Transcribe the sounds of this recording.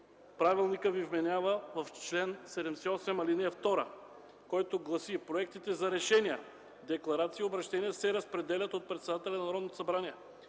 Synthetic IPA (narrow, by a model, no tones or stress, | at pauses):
pɾavilˠnikəvivmɛnʲjavəvɐft͡ʃlɛnsɛd̪ɛmsɛɔsɛmɐlinɛɛft̪ɔɾə | kɔjt̪oɡlˠɐsipɾoɛkt̪it̪ɛzɐɾɛʃɛnijə | d̪ɛklˠɐɾat̪siːobɾɐʃt̪ɛnijəsɛɾɐspɾɛd̪ɛlʲɐt̪ot̪̚pɾɛt̪sɛd̪at̪ɛlʲɛnɐnɐɾɔd̪not̪o̥sɐbɾaniɛ